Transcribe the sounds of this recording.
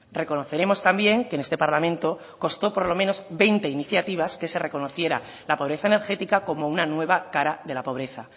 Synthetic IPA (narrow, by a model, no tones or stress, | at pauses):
re̞ko̞no̞θe̞ɾe̞mo̞st̪ambje̞ŋkene̞st̪e̞paɾlamẽnt̪o̞ | ko̞st̪o̞poɾlo̞mẽ̞no̞zbe̞jnt̪e̞iniθjat̪iβ̞aske̞se̞re̞ko̞no̞θje̞ɾa̰ | lapo̞βɾe̞θaene̞ɾxe̞t̪ikako̞mounanwe̞βakaɾaðe̞lapo̞β̞ɾe̞θa